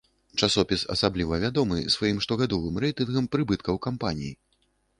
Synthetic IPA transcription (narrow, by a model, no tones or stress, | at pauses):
t͡ʂasɔpʲisɐ̰sablʲivɐvʲad̪ɔmɨ̰svajimʂt̪ɔɣad̪ɔvɨmrɛjt̪ɨnɣɐmpɾɨbɨt̪̚kɐwkampanʲiji